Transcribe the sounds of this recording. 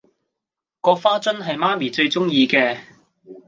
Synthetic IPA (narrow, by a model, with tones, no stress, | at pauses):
kɔː˧faː˥t͡sɵ˥nɦɐ˨jmaː˥miː˨˩t͡ʃɵ˧ɥt͡sʊ˥ŋjiː˧kɛː˧